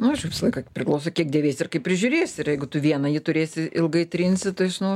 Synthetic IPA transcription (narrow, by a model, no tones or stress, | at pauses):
nʊɐʃjɛʋʲɪsɐlˠɐɪkɐpʲɾʲɪklˠɐʊsokʲiɛk̚dʲeːʋʲeːsʲɪrkɐɪp̚ʲɾʲɪʒʲʊɾʲeːsʲɪrjɛɪɡʊt̪ʊʋʲiɛnɐjɪt̪ʊɾʲeːsʲɪɪlˠɡɐɪt̪ʲɾʲinʲsʲɪt̪ɐɪʒʲnɐʊ